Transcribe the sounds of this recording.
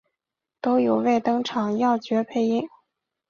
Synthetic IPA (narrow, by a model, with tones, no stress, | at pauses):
t̪o˥ʊjo˨˩ʊwe˥˩ɪt̪ɤ˥ŋʈ͡ʂʰɑ˨˩ŋjɑ˥˩ʊt͡ɕɥɛ˧˥pʰe˥˩ɪi˥ŋ